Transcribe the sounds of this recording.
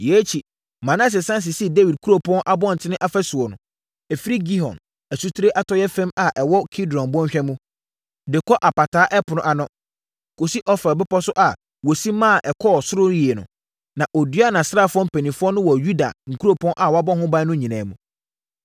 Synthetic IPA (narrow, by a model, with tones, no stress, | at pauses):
jɛ˨˦t͡ɕʰi˨ | mã˨nã˦s̬ɪ˨sã˦n˦s̬ɪ˨si˦˨de˦wi˨d̚kʰu˦ɾo˦pʰɔ̃˦nʔa˨bɔ̃˦˨n̩˨tʰɪ˦nɪ̃˦ʔa˦fɛ˦sʊ˨ɔ˨nʊ̃˨ | ɛ˨fi˦ɾi˦ɡi˦ɦɔ̰̃˨n | æ˨su˦tʰu˦ɾe˦ʔa˦tʰɔ˦jɛ˦fɛ̃˦ma˨ʔɛ˨wɔ˦kʰi˦dɔ̃˨nbɔ̃˦ɕᶣɛ˦mũ˦ | dɪ˨kʰɔ˦ʔa˨pa˨tʰaː˦ʔɛ˦pʰʊ˨nʊ̃˦ʔa˨nʊ̃˦ | kʰo˨si˦ʔɔ˦fɾa˨bɪ˦pɔ˦sʊ˦ʔa˨ | wɔ˨si˦mã˦˨ʔɛ˨kʰɔ˦˨sʊ˦ɾʊ˦ɾi˨e˨nʊ̰̃˨ | nã˨ʔɔ˨dɥa˦˨nã˨sa˦˨fʊ˦ɔ̃˦m̩˦pʰɛ˨nĩ˨fʊ˦ɔ˦nʊ̃˦wɔ˨ju˦da̰˨ŋ̩˨kʰu˦ɾo˦˨pʰɔ̃˦nʔa˨wɔ˨˦a˦bɔ˦hʊ̃˦ba˦nʊ̃˦ɲĩ˨nãː˨mũ˨